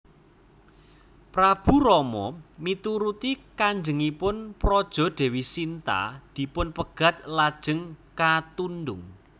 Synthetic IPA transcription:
pɾab̥ṳɾɔmɔ̰mit̪uɾut̪ikaɲd͡ʒəŋipʊnpɾɔd̥ʒ̥ɔ̤d̥ɛ̤wisint̪a̰d̪̥i̤pʊnpəɡ̥ä̤t̪̚lad̥ʒ̥ə̤ŋkat̪undʊŋ

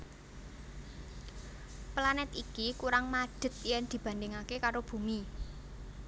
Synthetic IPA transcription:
planɛt̪ikikuɾaŋmaɖ̥ə̤t̪̚jɛnd̪̥i̤b̥ä̤nd̪ɪŋakekaɾob̥ṳmi

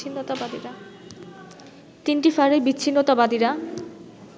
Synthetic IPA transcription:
inːot̪abad̪iɾa | t̪inʈifaɾebitːɕʰinːot̪abad̪iɾa

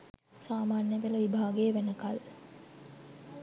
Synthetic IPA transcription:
saːmaːnjəʋeləʋibʱaːɡəjəʋænəkal

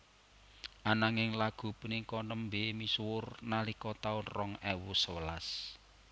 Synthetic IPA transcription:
ʔanaŋɪŋlaɡ̥ṳpunikɔnəmbemiswʊrnalikɔt̪aurɔŋɛwusəwəla̰s

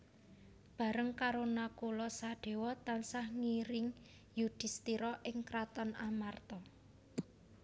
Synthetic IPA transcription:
b̥a̤ɾəŋkaɾonakulɔsaɖ̪̥e̤wɔt̪ansahŋiɾɪŋ | jud̪̥i̤st̪iɾɔʔɪŋkɾat̪ɔnamart̪ɔ

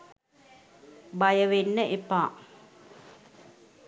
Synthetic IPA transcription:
bajəʋenːəʔepaː

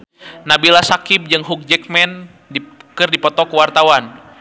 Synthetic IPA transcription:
nabilasakip̚d͡ʒɨŋɦuk̚d͡ʒɛk̚mɛn | kɨrdipɔt̪ɔkəwart̪awan

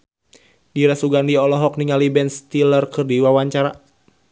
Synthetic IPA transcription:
diɾasuɡandiɔlɔɦɔk̚niŋalibɛnst̪ilərkɨrdiwawaɲt͡ʃaɾa

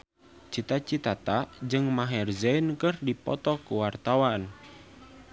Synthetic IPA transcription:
t͡ʃit̪at͡ʃit̪at̪ad͡ʒɨŋmaɦɛrzɛinkɨrdipɔ̰t̪ɔkuwart̪awan

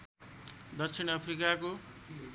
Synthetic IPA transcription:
d̪ʌk̚sʰinʌpʰrikako

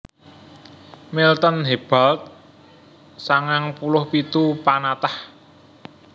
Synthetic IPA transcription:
milt̪ənɦeb̥a̤lt̪̚ | saŋaŋpulʊhpit̪upanat̪ah

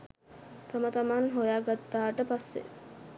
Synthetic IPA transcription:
t̪amət̪amanɦojaɡat̪ːaːʈəpasːḛ

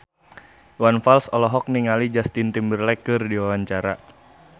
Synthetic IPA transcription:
wanfalsɔlɔɦɔk̚niŋalid͡ʒast̪int̪imbərlɛkɨrdiwawaɲt͡ʃaɾa̰

